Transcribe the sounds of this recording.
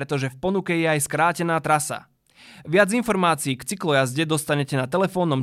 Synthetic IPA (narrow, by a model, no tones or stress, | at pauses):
ɾɛt̪ɔʒɛfpɔnukɛjɛajskɾaːcɛnaːt̪ɾasa̰ | ʋɪad͡zinfɔɾmaːt͡siiːkt͡siklɔjazɟɛd̪ɔst̪aɲɛcɛnat̪ɛlɛfɔːnɔm